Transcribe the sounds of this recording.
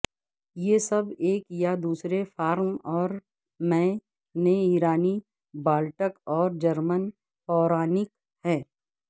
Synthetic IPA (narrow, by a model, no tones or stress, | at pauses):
jesɐbeːkjad̪uːsɾefaːɾmɔːɾ | mɛ̃ː | neiːɾaːni | baːlʈəkɔːɾd͡ʒɐɾmən | pɔːɾaːnɪk | hɛː